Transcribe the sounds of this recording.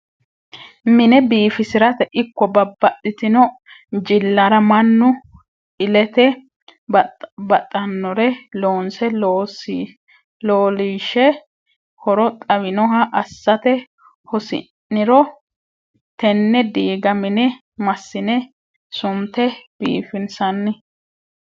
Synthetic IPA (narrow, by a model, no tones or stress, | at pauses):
mɪnɛbiːfɪsɪɾɐt̪ɛʔɪkːɔbɐbːɐtːɪt̪ɪnɔ | d͡ʒɪlːɐɾɐmɐnːʊ | ɪlɛt̪ɛ | bɐt̪ʼːɐnːɔɾɛloːnsɛloːsi | loːliːʃɛ | hɔɾɔt̪ʼɐβɪnɔɦɐʔɐsːɐt̪ɛ | hɔsɪ̰nːɪɾɔ | t̪ɛnːɛd̪iːɡɐmɪnɛ | mɐsːɪnɛ | sʊmt̪ɛb̥ḭːfɪnsɐnːɪ